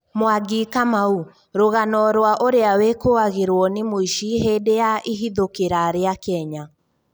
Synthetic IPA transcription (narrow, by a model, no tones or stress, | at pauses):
moaɡikamau | ɾoɣanɔɾwaʔoɾeawekoaɣeɾwɔnemoiʃiɦeːdejaʔiɦiðokeɾaɾeakɛɲa